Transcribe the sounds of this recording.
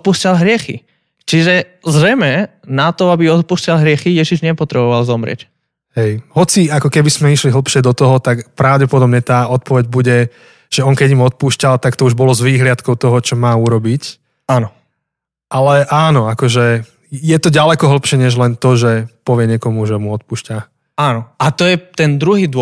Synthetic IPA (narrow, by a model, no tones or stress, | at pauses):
t̪̚puːscalɦɾɪɛxḭ | t͡ʃiʒɛ | zɾɛmɛnat̪ɔabiɔt̪̚puːscalɦɾɪɛxijɛʒiʒɲɛpɔt̪ɾɛbɔʋalzɔmɾɪ̰ɛ̰c | ɦɛjɦɔt͡siakɔkɛbismɛiʃliɦl̩pʃɪɛd̪ɔt̪ɔɦɔt̪akpɾaʊɟɛpɔd̪ɔbɲɛt̪aːɔt̪̚pɔʋɛɟbuɟɛ | ʒ̥ɛɔŋkɛɟimɔt̪̚puːʃcalt̪akt̪ɔuʒbɔlɔzʋiːɦlɪat̪kɔʊt̪ɔɦɔt͡ʃɔmaːuɾɔbic | anɔ | ʔalɛʔaːnɔakɔʒɛ | jɛt̪ɔɟalɛkɔɦl̩pʃɪɛɲɛʒlɛnt̪ɔʒɛpɔʋɪɛɲɛkɔmuʒɛmuɔt̪̚puːʃca | anɔat̪ɔjɛt̪ɛnd̪ɾuɦiːd̪ɔ